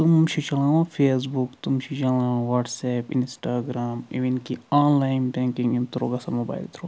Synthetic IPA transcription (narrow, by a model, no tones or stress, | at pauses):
t̪umt͡ʃʰit͡ʃɐlãːõfʰeːs̬bukt̪umt͡ʃʰit͡ʃɐlãːõʋaːʈsɛːpinsʈaːɡɾaːmiʋinkiaːnlaːjnbẽːŋkĩŋɡint̪ʰɾo̰ːɡasɐmoba̰ːjlt̪ʰɾoː